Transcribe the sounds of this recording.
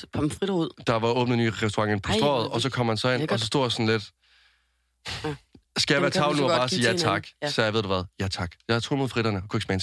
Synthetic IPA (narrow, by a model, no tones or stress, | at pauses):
pʰɒmfʁiɾɐuð̰ˠd̥ɑ̈ʋɑ̈ɔ̽ːb̥nənyːʁɛsd̥oʁɑ̈ŋenpʰɒ̽sd̥ʁɔ̰ːð̩ˠɒ̽sɒ̽kʰɒ̽m̰hænsɒ̽e̝n̰ɒ̽s̬ɒ̽sd̥o̝̰ːd̥ɑsɒ̽n̩led̥ | sɡ̥æjɑʋæːɐt͡sʰɑ̈ʊl̩nuɐbɑ̈ːsiːjæt͡sʰɑ̈ɡ̥sɒjɑɪʋeð̰ˠd̥uʋæð̞ˠjæt͡sʰɑ̈ɡ̥jɑ̈hɑt͡sʰo̰ːlmo̝ð̩ˠfʁiɾ̥ɐnəɒkʰue̝ɡ̥smæens